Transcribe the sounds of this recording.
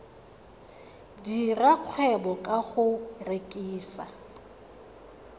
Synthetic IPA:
diraq͡χʰwɛbɔkʼaχʊrekʼiːsa

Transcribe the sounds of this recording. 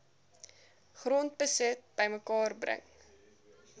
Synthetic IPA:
χrɔnt̚bəsət̚b̥əjməkɑːrbrə̰ŋ

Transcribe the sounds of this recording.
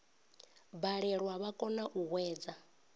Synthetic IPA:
baɺɛɺwaβakʼɔnaʔuɦwɛːd͡za

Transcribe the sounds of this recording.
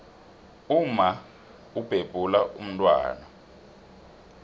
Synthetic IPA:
uma | ub̥ʱeb̥ʱulaʔum̩tʼwa̰ːna

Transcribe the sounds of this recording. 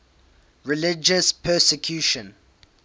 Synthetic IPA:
ɹɪlɪd͡ʒəspʰɜsɛkʰjuːʃə̃n

